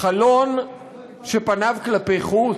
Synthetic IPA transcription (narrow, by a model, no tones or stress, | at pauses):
alon | ʃepanavklapejχu